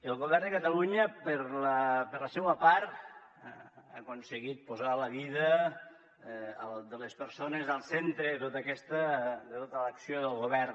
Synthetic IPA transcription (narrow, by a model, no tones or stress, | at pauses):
əlˠɣoβɛrnd̪əkət̪aluɲəpəɾlapəɾləsewəpaɾt̪ | akonsəɣit̪̚pozaləβiðə | ld̪ələspəɾsonəzəlˠsent̪ɾət̪ot̪aəkɛst̪əd̪ət̪ot̪ələksijoðəlˠɣoβɛr